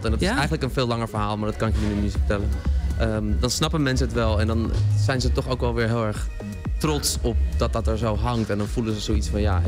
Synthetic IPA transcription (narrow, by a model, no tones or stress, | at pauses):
tɛndɑtɪsɛjχənləkənvɪːlɑŋəɹvəɹɦaːlˠmaɹdɑtkɑnɪkjəinimɪsfə̥tɛlənʔədɑnsnɑpənmɛnsənətʋɛlˠɛndɑnz̥ɛjnzətɔχoʊwkʋɛlˠʋɪːɹɦɪːlˠɛɹχ | trɔtsɔp̚dɑt̚dɑtɛɹzowɦɑŋktɛndɑnvuləzəzowitsfɑnja